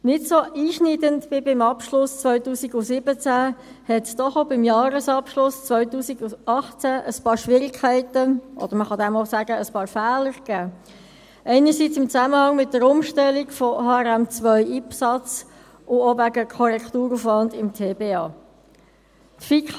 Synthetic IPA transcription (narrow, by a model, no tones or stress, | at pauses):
nɪtsoʔiːʃnidəntb̥ɪbɪmɑpʃlʊst͡sʋœʏtuːsiɡʊsɪb̥ət͡sæ | hɛtsd̪̥ɔχobɪmjɑːɾəsɑpʃlʊst͡sʋœʏt̪uːsiɡ̥ʊɑχt͡sæʔəspɑːɾʃʋɪɾɪkʰæɪtəʔɔ̰d̥̪əɾməχɑd̪ɛmosæːɡəəspɑːɾfɛæːləɾɡ̥æː | ʔɛɪnəɾsit͡sɪmt͡sæməhɑŋmɪt̚dəɾʊmʃtɛliɡfɔhɑːɛɾɛmt͡sʋœʏʔipsɑt͡s | ʊovæɡəkʰɔɾɛkχt̪uːɾufʋɑndɪmtʰeːbeːɑː | t̪fik